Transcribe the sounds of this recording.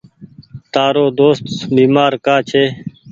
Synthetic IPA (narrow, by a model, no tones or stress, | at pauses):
t̪aːɾoːd̪oːst̪biːmaːɾkaːt͡ʃʰeː